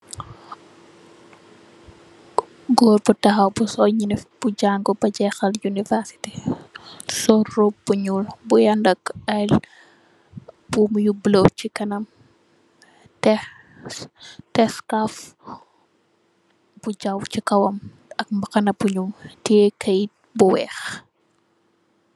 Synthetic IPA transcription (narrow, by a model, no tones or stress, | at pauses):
ɡɔːɾbutɐxɐwbusɔɲinifb̥uɟaŋɡɔbɐɟɛxɐljunivɛɾsi̥ti | sɔrub̥uɲulbujɐndɐkɐl | b̥umjublot͡ʃikɐnɐm | tɛ | tɛskaf | b̥uɟawcikɐwɐm | ɐk̚mbɐkɐnɐbuɲumtiɛkʰɐjt̚buwɛːx